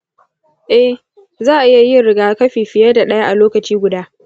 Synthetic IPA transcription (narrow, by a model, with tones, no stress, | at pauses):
ʔɛ˦h | zaː˦˨ʔa˨ʔɪ˦ja˨ji˦˨ɽɪ˨ɡaː˦kɐ˦ɸiː˨ɸɪ˨jɐ˦da˨ɗɐ˦ja˦ʔa˨loː˦kɐ˨t͡ʃiː˦ɡʷʊ˨daː˦